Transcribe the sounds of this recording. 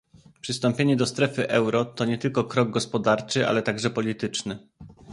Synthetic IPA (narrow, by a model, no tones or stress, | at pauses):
pʂɘst̪ɔmpʲjeɲɛd̪ɔst̪ɾɛfɘʔɛwɾɔt̪ɔɲɛt̪ɘlkɔkɾɔɡ̚ɡɔspɔd̪aɾt͡ʂɘʔa̰lɛt̪aɡʐɛpɔlʲit̪ɘt͡ʂnɘ